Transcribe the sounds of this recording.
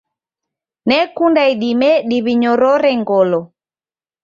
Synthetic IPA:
nɛkundaiɗimɛɗiβiɲɔɾɔɾɛŋɡɔlɔ

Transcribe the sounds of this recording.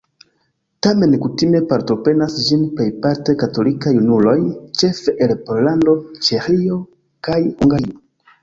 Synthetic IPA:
tame̞nkutime̞paɾto̞pɾe̞nasd͡ʒinpe̞jpaɾte̞kato̞likajunulo̞jt͡ʃe̞fe̞ʔelpo̞ɾlando̞t͡ʃe̞xio̞ | kajhuŋɡaɾio

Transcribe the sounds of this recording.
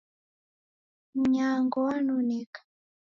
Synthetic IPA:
m̩ɲaŋɡɔwanunɛkḁ

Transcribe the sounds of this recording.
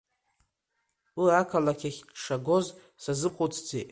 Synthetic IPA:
uakʰalakʰʲaχʲʂaɡo̞z | sazɨqʼʊt͡sʰd͡zetʼ

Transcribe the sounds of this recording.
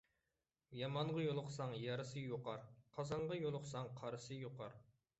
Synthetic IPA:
jɑmɑɴʁɑjolˠʊqsɑŋjɑɾɨsɨjoqɑɾqʰɑzɑɴʁɑjolˠʊqsɑŋqʰɑɾɨsɨjoqʰɑɾ

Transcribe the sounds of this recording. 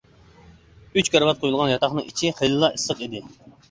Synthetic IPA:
yt͡ʃkʲæɾvɑt̪̚qʰojulˠʁɑnjɑt̪ʰɑχnɨŋit͡ʃʰiχejlˠɨlˠɑʔisːəqid̪ɪ

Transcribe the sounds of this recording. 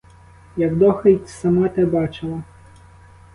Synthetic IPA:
jɐɡd̪ɔxɪjtʲsɐmɑt̪ɪbɑt͡ʃɪlˠɐ

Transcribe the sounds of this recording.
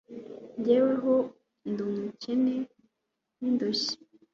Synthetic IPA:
ɲɟeːweɦo | ndumucene | nindoʃi̥

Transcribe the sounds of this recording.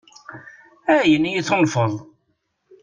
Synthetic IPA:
æjənjiθʊnfəðˤ

